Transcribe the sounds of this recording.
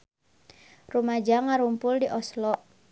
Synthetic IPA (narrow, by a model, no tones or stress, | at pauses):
rumad͡ʒaŋaɾumpʊldiʔɔslɔʔ